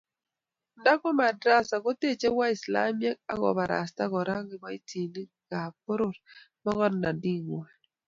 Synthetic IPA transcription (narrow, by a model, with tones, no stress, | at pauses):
nda˦kɔ˦ma˨dɾa˦˨sa˨ɡo˦te˦˨t͡ʃe˦wa˦i˨sla̰˦mjɛ˦k̚a̰˦ɣɔ̰˨ba˨ɾa̰˨sta˦ɡɔ˨ɾa˦ɡɪ˨bɔ˨i˦tʰi˨ni˦ | ɡa˨po˦ɾʊ˦˨ɾ | mɔ˦ɣɔ˦dna˨di˦˨ŋwɛ˨